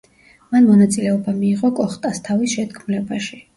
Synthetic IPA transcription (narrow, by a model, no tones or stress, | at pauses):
manmɔnat̪sʼilɛɔbamiːʁɔkʼɔχt̪ʼast̪ʰavisʃɛd̪kʰmlɛbaʃi